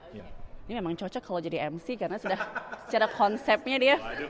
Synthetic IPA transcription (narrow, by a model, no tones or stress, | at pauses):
nimemaŋt͡ʃɔt͡ʃɔkʰalawd͡ʒadiʔɛmsikanasudaht͡ʃaɾakʰɔnsɛp̚ɲadiə